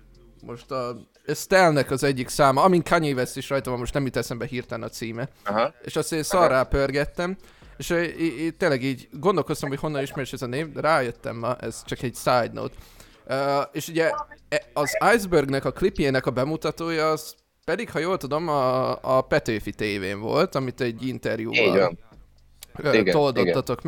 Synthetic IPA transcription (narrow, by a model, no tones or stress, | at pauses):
mʔo̞ʃt̪ɒ | st̪ɛlnɛkɒzɛɟːiksaːmɒɒmiŋkaɲeːvɛst̪iʃrɒjt̪ɒvɒmoʃt̪nɛmjit̪ːɛsɛmbɛɦiːrt̪ɛnɒt̪siːmɛḛːʃɒst̪eːnsɒraːpørɡɛt̪ːɛm | eːʃøt̪ːeːnlɛɡiːɟɡo̞nd̪olko̞st̪ɒmho̞cho̞nːɒniʃmɛɾɛʃɛzɒneːmraːjøt̪ːɛ̰mːɒʔɛ̰z̥t͡ʃɒkɛɟsaːjd̪no̰t̪ | øːeːʃuɟɛɛɒzajzbørɡnɛkɒklipijeːnɛkɒbɛmut̪ɒt̪oːjɒːz̥ | pɛd̪ikhɒjoːlt̪ud̪o̞mɒːpɛt̪øːfit̪eːveːɱvo̞̰lt̪ɒmit̪ɛɟːint̪ɛrjṵːb̰n | øɡt̪old̪oːɒt̪o̞k